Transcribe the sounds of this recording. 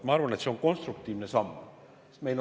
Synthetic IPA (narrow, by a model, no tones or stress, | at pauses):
t̪mɑɑrvɑne̞t̪se̞o̞ŋko̞nst̪ɾuk̚t̪iːvnesɑmː | me̞jl